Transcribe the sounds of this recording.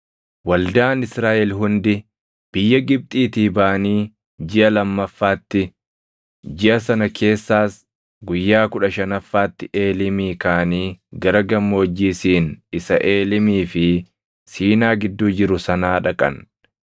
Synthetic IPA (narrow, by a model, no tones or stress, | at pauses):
wɐld̪aːnɪsɾaːʔɛlɦʊnd̪ɪ | b̥ɪjːɐɡɪb̚t̪ʼiːt̪iːbaːʔɐniː | d͡ʒɪʔɐlɐmːɐfːaːt̪ːɪ | d͡ʒɪʔɐsɐnɐkʰe̞ːsːaːs | ɡʊjːaːkʊᶑɐʃɐnɐfːaːt̪ːɪʔe̞ːlɪmiːkaːniːɡɐɾɐɡɐmːo̞ːd͡ʒːiːsiːnɪsɐʔe̞ːlɪmiːfɪ | siːnaːɡɪd̪ːuːd͡ʒɪɾʊsɐnaːᶑɐkʼɐ̰n